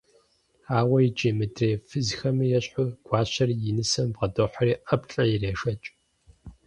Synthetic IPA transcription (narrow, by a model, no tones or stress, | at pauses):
aːwɐjid͡ʒʼemɨdreːfɨzxɐmɨjɛɕħʊɡ̥ʷɑːɕɐrijɪnɨsɐmbʁɐdoːħɐriːɐpʰɬʼɐjireːʃɐt͡ʃʼ